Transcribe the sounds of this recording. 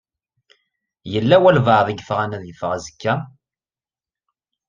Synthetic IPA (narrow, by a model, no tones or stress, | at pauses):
jəlːæwælvaðˤiɡəfʁænæðjəfʁæzəkːæ